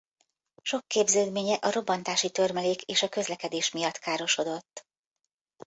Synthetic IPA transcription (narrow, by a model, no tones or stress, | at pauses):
ʃo̞kːeːbzøːd̪meːɲɛʔɒɾo̞bːɒnt̪aːʃit̪ørmɛleːkeːʃɒkø̞zlɛkɛd̪eːʃmijɒt̪kaːɾo̞ʃo̞d̪o̞t̪ː